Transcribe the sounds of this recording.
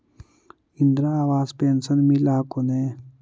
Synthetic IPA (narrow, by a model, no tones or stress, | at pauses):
ind̪ɾaaːʋaːzpeːnsənmilaːkoneː